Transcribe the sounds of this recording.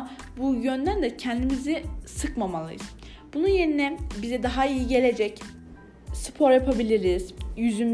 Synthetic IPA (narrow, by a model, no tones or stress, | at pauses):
bujø̞nd̪ænd̪ɛcʰɛnd̪imizisɯkmamalˠɯ̰jɯz̥ | b̥ununje̞ɾinɛbizɛd̪aɦaijiɟe̞lʲe̞d͡ʒɛc | sɯ̥pʰo̞ɾjapʰabilʲiɾiz̥jyzym